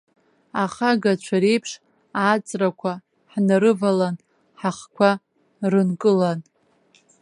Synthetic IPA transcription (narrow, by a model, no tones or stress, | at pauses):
aχaɡat͡ʃʷʰaɾe̞jpʰʂ | at͡sʼrakʷʰa | ħnaɾɨvalan | ħaχkʷʰa | rɨnkʼɨlan